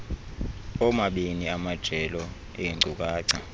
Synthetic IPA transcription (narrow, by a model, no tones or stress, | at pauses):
ɔmaɓeniamad̥ʒ̥ʱɛlɔ | ejiuk̬ʼaːǀa